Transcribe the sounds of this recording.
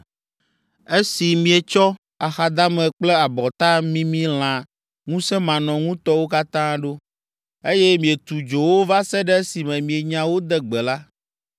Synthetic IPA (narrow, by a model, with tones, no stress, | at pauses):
e˦si˨mĩ˨e˨t͡ʃɔ˦ | a˨xa˨d̪a˦mɛ̃˨k͡plɛ˦a˨bɔ˨t̪a˦mĩ˦mĩ˦l̃ã˨ | ŋũ˦sɛ˦mã˨nɔ̃˨ŋũ˦t̪ɔ˦wo˦ka˦t̪ã˦ɖo˦ | e˦jɛ˦mĩ˨e˨t̪u˨d͡ʒo˨wo˦va˦sɛ˦ɖɛ˦si˨mɛ̃˨mĩ˨e˨ɲã˨wo˦d̪ɛ˦ɡ͡bɛ˨la˦